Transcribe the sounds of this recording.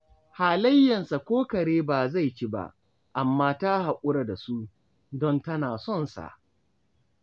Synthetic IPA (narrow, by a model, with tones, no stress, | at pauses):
haː˨lɐ˦jːɐ˨nsa˨kʷoː˦kɐ˨ɽeː˦baː˨za˦˨jt͡ʃi˦ba̰˦ʔ | ʔa˨mːaː˦ta˦ɦa˨kʷʼʊ˦ɽa˨da˨su˦ | dɔ˦ntɐ˦naː˨sɔ˦˨nsa̰˨ʔ